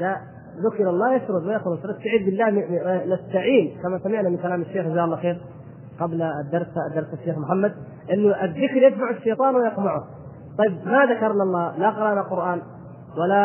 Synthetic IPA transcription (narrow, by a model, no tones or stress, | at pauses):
a | ðʊkɾɑlˤːɑːjaʃɾʊd̪majafʊlʃɾɪst̪aʕiːd̪bɪlːaːhnast̪aʕiːnkamasamɪʕnamɪnkalaːmaʃːeːxɪzaːʔlːɑxeːɾ | qablad̪ːɑɾˤsd̪ːɑɾˤsaʃːeːxmʊħamːad̪̚ | ʔɪnːʊʔɪðːɪkɾjɪt̪maʕʊʃːɑjt̪ˤɑːnwɪjɑqmaʕʊ | t̪ˤɑjːɪb̚maðakɑɾˤnalˤːɑːlaqɑɾˤɑːʔnaqʊɾʔaːn | wala